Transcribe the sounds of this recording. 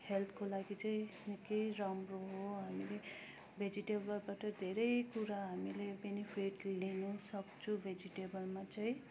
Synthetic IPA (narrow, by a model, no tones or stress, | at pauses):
helt̪ʰkolaɡit͡saĩnekejɾʌmroɦoɦamile | bʱed͡ziʈebʌlbaʈʌd̪ʱeɾʌjkuɾaɦamilebenipʰiʈlenʌsʌkt͡sʰũbʱed͡ziʈebʌlmat͡saĩ